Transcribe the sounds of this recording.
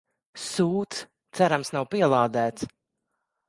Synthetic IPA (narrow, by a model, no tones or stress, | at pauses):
suːt̪s | t̪sæɾamsnawpiɛlˠaːd̪æːt̪s